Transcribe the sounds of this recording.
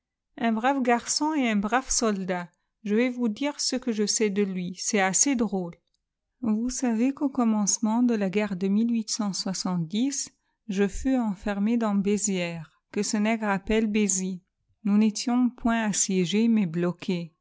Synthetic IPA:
ɛ̃bʁafɡaʁsɔ̃eɛ̃bʁafsɔld̪a | ʒəvɛvud̪iʁsəkəʒəsɛd̪əlɥisɛased̪ʁol | vusavekokɔmɑ̃smɑ̃d̪əlaɡɛʁd̪əmilɥisɑ̃swasɑ̃t̪̚d̪is | ʒəfyɑ̃fɛʁmed̪ɑ̃bezjɛʁ | kəsənɛɡʁapɛlbezi | nunet̪jɔ̃pwɛ̃asjeʒemɛblɔkʰe

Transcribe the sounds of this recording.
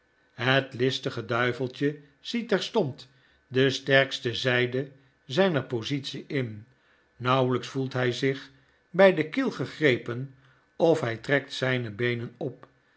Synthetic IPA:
ɦətlɪstəχədœɥvəlˠt͡ʃə | z̥itɛɹstɔnt | dəstɛɹkstəzɛjdə | zɛjnəɹpozitsiʔɪn | nɑwələksfulˠtɦɛjzɪχ | bɛjdəkɪlˠχəχrejpən | ɔfɦɛjtrɛktsɛjnəbejnənɔp

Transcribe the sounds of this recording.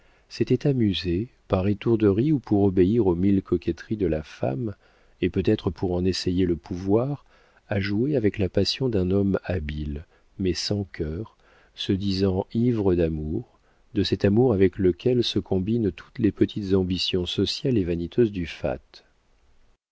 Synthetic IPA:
sɛt̪ɛt̪amyzepaʁet̪uʁd̪əʁiupʰuʁɔbeiʁomilkɔkʲɛt̪χid̪əlafa̰m | epøt̪ɛt̪χəpʰuʁɑ̃nesejeləpʰuvwaʁ | aʒueavɛklapasjɔ̃d̪ɛ̃nɔmabil | mɛsɑ̃kʰœʁ | səd̪izɑ̃ivʁəd̪amuʁ | d̪əsɛt̪amuʁavɛkləkʲʰɛlsəkʰɔ̃bint̪ʰu̥t̪lepət̪ʰit̪zɑ̃bisjɔ̃sɔsjalevanit̪ʰøzd̪yfa̰t̪

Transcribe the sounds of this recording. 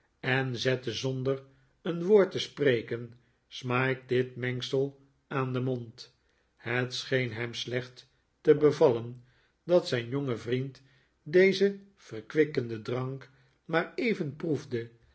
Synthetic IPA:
ɛnzɛtəzɔndər | ənʋoːɹtəsprejkən | smaːk̚dɪtmɛŋksəlˠ | aːndəmont | hətsχejnɦɛmslɛχtː | əbəvɑlən | dɑtsɛjnjoŋəvrint | dejzə | v̥əʁkʋɪkəndədrɑŋk | maːɹejvənpruvdə

